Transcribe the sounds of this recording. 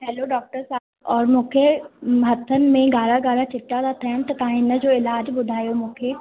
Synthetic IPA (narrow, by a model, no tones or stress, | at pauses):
ɦɛːloɖɔːk̚ʈəɾsaːbɔːɾmʊ̃kʰeɦɐt̪ʰːənmẽɡaːɽaɡaːɽat͡ʃɪʈːad̪at̪ʰɛ̃ːnt̪t̪ãːɦɪnəd͡ʒoːɪlaːd͡ʒbʊd̪ʱaːjomʊ̃kʰe